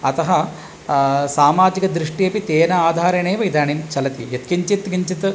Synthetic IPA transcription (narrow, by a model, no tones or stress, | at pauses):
ɐt̪ɐɦɐ | saːmaːd͡ʒikɐd̪ɾiʂʈijɐpit̪eːnɐaːd̪ʱaːɾɐɳeːʋɐjd̪aːɳint͡ʃɐlɐt̪ḭjɐt̪kiɲt͡ʃit̪ɡiɲt͡ʃit̪